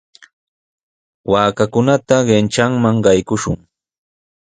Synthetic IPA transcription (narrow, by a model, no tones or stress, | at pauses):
waːkakʊnat̪aɢent͡ʃaŋmaŋɢɑjkʊʃʊ̰ŋ